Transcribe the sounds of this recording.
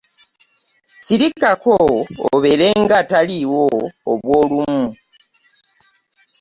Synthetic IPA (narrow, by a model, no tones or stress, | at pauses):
siɾikako̰ːβe̞ɾe̞ŋɡataliwoːβwo̞ːlumu